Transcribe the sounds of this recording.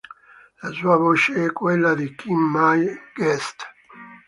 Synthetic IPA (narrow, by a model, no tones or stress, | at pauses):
lasuːavot͡ʃeɛkːwelːad̪ikimːajɡɛst̪